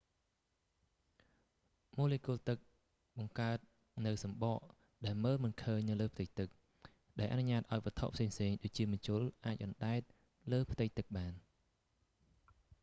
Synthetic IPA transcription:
moːlekuəlt̪ɨk̚ | ɓɑŋkaət̪̚ | nɨwsɑmɓɑʔ | ɗaɛlməːlmɨnkʰəːɲnɨwləːpʰt̪ɨc̚t̪ɨk̚ | ɗaɛlʔanuɲaːt̪̚ʔaɔjʋəət̪ʰo̰ʔpʰseːŋpʰseːŋɗoːc̚t͡ɕiəmɨnt͡ɕʊəlʔaːc̚ʔɑnɗaɛt̪̚ | ləːpʰt̪ɨc̚t̪ɨk̚ɓaːn

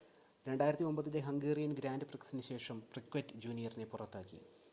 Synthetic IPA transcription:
ɾe̞ɳɖaːjiɾɐt̪ːio̞mbɐðindeɦɐŋɡeːrijɐnɡɾaːndɨprɐksinɨɕe̞ːʂɐmprikʋeɐtːɨd͡ʑuːnijɐrine̞purɐt̪ːaːkːḭ

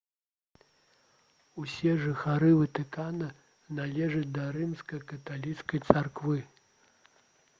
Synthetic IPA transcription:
usʲɛʐɨxaɾɨvɨt̪ɨkanɨ | nalʲɛʐɐt͡sʲd̪ɐɾɨmskɐjkɐt̪alʲit̪skɐjt̪sarkvɨ

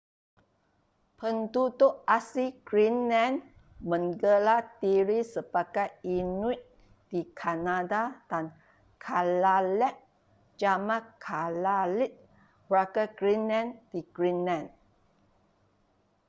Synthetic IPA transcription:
pʰənt̪ut̪uʔasiɡ̥ɹinlɛ̃n | mə̃ŋɡəlat̪iɾisəbakajinũʔ̚ | d̥ikʰanadad̥an | kʰalalɛʔ̚ | d͡ʒamãkʰalalit̪̚ | bɾakaɡɹinlɛ̃nd̥iɡ̥ɹinlãn

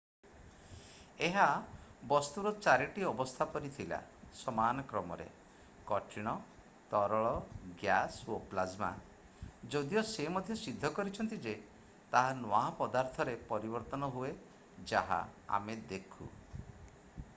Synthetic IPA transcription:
eɦabɔst̪uɾɔt͡ʃaɾiʈiɔbɔst̪ʰapɔɾit̪ʰila̰sɔmanɔkɾɔmɔ̰ɾḛ | kɔʈʰiɽ̃ɔ | t̪ɔɾɔɭɔɡjasoplazma̰ | d͡ʒɔd̪iɔsemɔd̪ʱjɔsid̪ʱːɔkɔɾit͡ʃʰɔnt̪id͡ʒe | t̪aɦanoaɦɔpɔd̪aɾt̪ʰɔɾepɔɾibɔɾt̪ɔnɔɦue | d͡ʒaɦa̰a̰med̪ekʰṵ

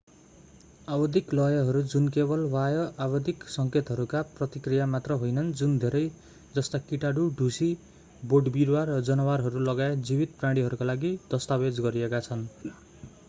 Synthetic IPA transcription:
abʌd̪ʱiklʌjʌɦʌɾud͡zunkebʌlwajʌʔabʌd̪ʱiksʌŋket̪ɦʌɾukaprʌt̪ikrijamat̪rʌɦojnʌnd͡zund̪ʱeɾʌj | d͡zʌst̪akiʈaɽuɖʱusi | boɖbiɾwarʌd͡zʌnʌwarɦʌɾulʌɡaed͡zibit̪prãɽ̃iɦʌɾukalaɡid̪̥ʌst̪abed͡zɡʌɾiekat͡sʰʌn

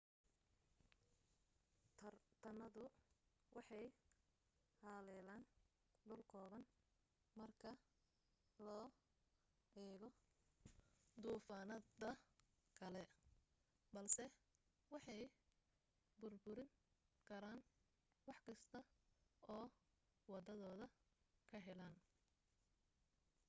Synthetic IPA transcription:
t̪ʰɐnɐðʊ | wɑħɑj | haːlɛːlaːn | ɖʊlkʰɔːβɐn | mɐrkʰɐ | lɔː | ɛːɣɔ | d̪uːfaːnɐdɐ | kʰɐlɛ | bɐlsɛ | wɑħɑj | bʊrbʊɾɪŋ | kʰɐɾaːn | wɑħkʰɐst̪ʰɐɔː | wɑd̪ɐðɔːðɐkʰɐɦɛlaːn

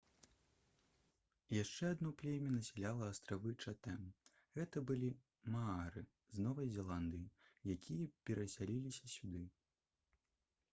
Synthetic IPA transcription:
jaʂt͡ʂɛad̪nɔplʲemʲɐnɐsʲɛlʲalˠɐːst̪ɾavɨt͡ʂat̪ɛm | ɣɛt̪ɐbɨlʲi | maaɾɨ | znɔvɐjzʲɛlˠand̪ɨjijakʲʰijɐpʲɛɾɐsʲalʲilʲisʲɐsʲud̪ɨ

